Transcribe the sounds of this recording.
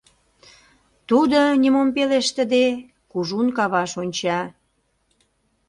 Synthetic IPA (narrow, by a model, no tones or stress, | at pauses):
t̪ud̪ənʲimompeleʃt̪ə̆d̪e | kuʒunkɑβɑʃonʲt͡ɕɑ